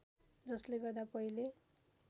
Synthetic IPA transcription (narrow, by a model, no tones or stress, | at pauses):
d͡zʌsleɡʌrd̪apʌile